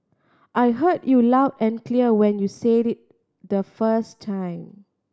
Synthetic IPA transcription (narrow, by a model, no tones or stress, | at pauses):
ʔajɦədjulawdɛ̃nkliəwɛ̃njuseɾit̚ | d̪əfəstʰːãj̃m